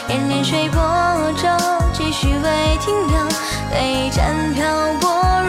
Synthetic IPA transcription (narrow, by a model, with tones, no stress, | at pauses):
jɛ˧˥nnɛ˧˥nʂwe˥˧˩ɪpɔ˧˥ɔ˧˩ʈ͡ʂo˥t͡ɕi˥˧˩ɕy˧˩we˥˧ɪt̪ʰi˥ŋpʰjɑ˧ʊ | we˧ɪʈ͡ʂa˧˥npʰjɑ˥˧ʊpwɔ˥